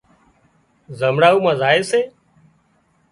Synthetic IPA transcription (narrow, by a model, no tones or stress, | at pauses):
zəmɽaːuːmãːzaːeːseː